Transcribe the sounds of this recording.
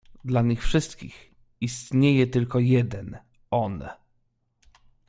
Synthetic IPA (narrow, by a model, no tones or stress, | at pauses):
d̪laɲixfʂɘst̪kʲḭx | ist̪ɲejɛt̪ɘlkɔjɛd̪ɛn | ɔn